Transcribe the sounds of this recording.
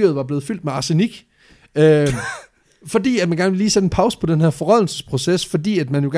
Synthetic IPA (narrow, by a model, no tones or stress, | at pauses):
yɐð̞̩ˠʋɑ̈b̥le̝ːð̞̩ˠfyl̰d̥meɑ̈ːse̝niɡ̥ | ø | fɒ̽d̥ḭːæd̥mænɡ̥æɐnəʋe̝liːsed̥en̩pʰɑ̈ʊsə̥pʰɒ̽d̥enheɐ̰fɒ̽ʁɒð̰ˠl̩sə̥spʰʁo̝sesfɒ̽d̥ḭːæd̥mænjo̝ɡ̥æ